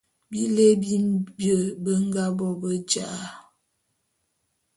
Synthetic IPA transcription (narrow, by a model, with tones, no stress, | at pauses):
bi˦le˦bi˦bjə˨bə˦ŋ˦ɡa˦bɔ˨bə˦d͡ʒa˦˨a˦